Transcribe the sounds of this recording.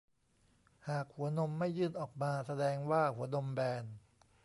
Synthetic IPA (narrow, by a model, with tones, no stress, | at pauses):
haː˨˩k̚hu˩˦ɐno˧mːa˥˩jːɯː˥˩nʔɔː˨˩k̚maː˧sa˧dɛː˧ŋwaː˥˩hu˩˦ɐno˧mbɛː˧n